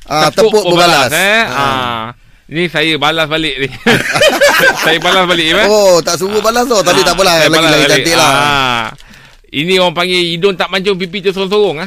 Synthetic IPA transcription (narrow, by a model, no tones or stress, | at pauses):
aəp̪əʊpʊtbəəbalasɛa | nisajəbalasbalɪʔdɪh | sajəbalasbalɪʔimaot̪aʔs̬uɣubalast̪ot̪apiaʔbəlaajəlaallaslaɡibalaʔ̪ɪʔlaa | ḭnĩoɣaŋpaŋɡeidʊnt̪aʔmaɲt͡ʃʊŋp̬ipit̪usoʊŋsoɾʊŋah